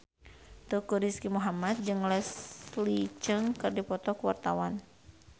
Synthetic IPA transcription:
t̪ukuɾiskimuɦamat̪̚d͡ʒɨŋlɛslit͡ʃəŋkɨrdipɔt̪ɔkuwa̰rt̪awan

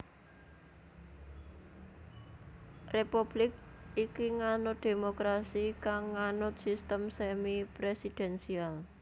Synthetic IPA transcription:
repub̥lɪk̚ikiŋanʊt̪̚d̪̥emokɾasikaŋːanʊt̪̚sist̪əmsemipɾesid̪̥ɛnsial

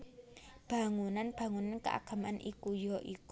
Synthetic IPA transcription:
b̥a̤ŋunanb̥ä̤ŋunankəʔa̰ɡ̥a̤manʔikujɔʔiku

